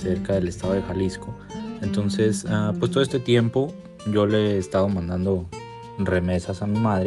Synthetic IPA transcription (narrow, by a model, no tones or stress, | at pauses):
seɾkaðe̞le̞st̪aðoðexalisko̞ | ent̪o̞nse̞sapwest̪oest̪et̪je̞mpo̞ | ʝo̞le̞ːst̪aðo̞mãnd̪and̪o̞ | re̞me̞sasamimaðɾe